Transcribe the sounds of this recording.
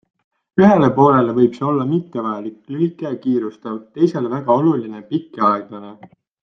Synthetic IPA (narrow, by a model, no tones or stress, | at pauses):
yɦe̞le̞po̞ːle̞levɤjb̥seo̞lːɑmit̪ːe̞vɑjelikːylikːˑekiːɾust̪ɑvt̪e̞jse̞lvæɡ̥ɑo̞luline̞pikːˑeɑeɡ̥lɑne̞